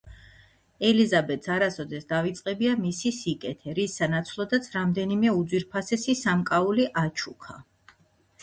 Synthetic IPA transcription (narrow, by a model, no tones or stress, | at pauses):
ɛlizabɛt̪saɾasɔd̪ɛsd̪avit̪sʼqʼɛbiamisisikʼɛt̪ʰɛɾisːanat̪sʰlˠɔd̪at̪sʰɾamd̪ɛnimɛud̪zwiɾpʰasɛsisamkʼauliʔat͡ʃʰukʰa